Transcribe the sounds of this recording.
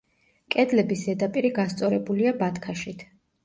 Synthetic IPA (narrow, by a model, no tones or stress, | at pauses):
kʼɛd̪lɛbisɛd̪apʼiɾiɡast̪sʼɔɾɛbuliabat̪ʰkʰaʃit̪ʰ